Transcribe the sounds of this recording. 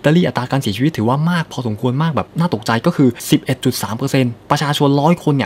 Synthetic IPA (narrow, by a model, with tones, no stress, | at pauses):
i˧t̪aː˧liː˥˩ʔa˨˩t̪ːɾaː˧kaː˧nsi˨˩˦t͡ɕi˧i˦˥t̪ʰːwaː˥˩maː˥˩k̚pʰɔː˧so˩˦mkʰu˧ənmaː˥˩k̚bɛː˨˩p̚naː˥˩t̪o˨˩k̚t͡ɕa˧jkɔː˥˩kʰɯː˧si˨˩p̚ʔe˨˩t̪̚t͡ɕu˨˩t̪̚saː˩˦mpɤː˧se˧npɾa˧t͡ɕʰaː˧t͡ɕʰo˧nɾɔː˦˥jkʰo˧nːi˧˩